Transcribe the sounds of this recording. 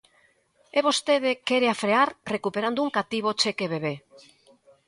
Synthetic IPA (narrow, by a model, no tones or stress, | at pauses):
eβost̪eð̞ekeɾeafɾeaɾrekupe̞ɾand̪uŋkat̪iβ̞ot͡ʃekeβeβ̞e